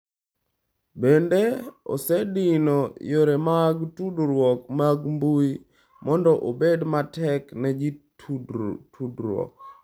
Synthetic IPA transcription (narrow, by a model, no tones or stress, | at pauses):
bendeo̰sɛdinojoɾemaɡtudɾwɔkmaɡmbui | mɔndɔʔobedmatɛknɛd͡ʒitʰudtʰudɾwɔ̰k̚